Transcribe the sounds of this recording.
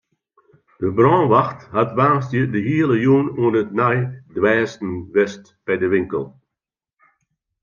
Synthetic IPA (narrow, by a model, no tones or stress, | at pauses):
d̥əbrɔ̃ːnʋaxthatʋaːnstjədəɦiələjuːnuənətnajdwɛːstn̩ʋɛst | b̥ɛjdəʋɪŋkəlˠ